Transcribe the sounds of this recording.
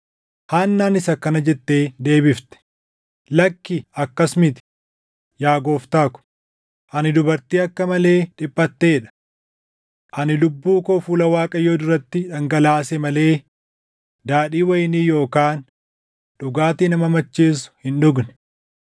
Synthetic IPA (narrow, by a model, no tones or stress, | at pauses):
haːnːaːnɪsɐkɐnɐd͡ʒɛt̪ːe̞ːd̪e̞ːbɪft̪ɛ̥ | lɐkːɪɐkːɐsmɪt̪ɪ̥ | jaːɡo̞ːft̪aːkʊ̥ | ʔɐnɪd̪ʊbɐɾt̪iːɐkːɐmɐle̞ːᶑɪpʼːɐt̪ːeːᶑɐ̥ | ʔɐnɪlʊbːuːkoːfuːlɐwaːkʼɐjoːd̪ʊɾɐt̪ːɪᶑɐŋɡɐlaːsɛmɐle̞ː | d̪aːᶑiːwɐjniːjo̞ːkaːn | ᶑʊɡaːt̪iːnɐmɐmɐt͡ʃːiːs̬ʊ̥hɪnᶑʊɡnɛ̥